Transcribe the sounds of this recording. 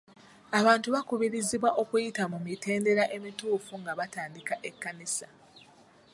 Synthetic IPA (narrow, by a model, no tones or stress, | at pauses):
aβaːntuβakuβiɾiziβwaʔo̞kujitamumite̞ːnde̞ɾaʔe̞mituːfuŋɡaβataːndikaʔe̞kːanisa